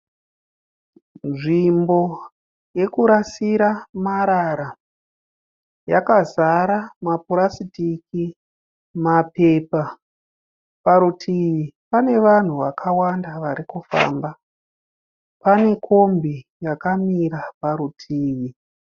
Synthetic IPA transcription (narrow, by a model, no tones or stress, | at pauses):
nʐimbo̞ | je̞kuɾasiɾamaɾaɾa | jakazaɾamapuɾasitiki | mape̞ːpa | paɾutʰiʋipane̞ʋan̤uʋakʰawandaʋaɾikufa̰ːmba | pane̞kʰombijakamiɾapaɾutʰiːʋi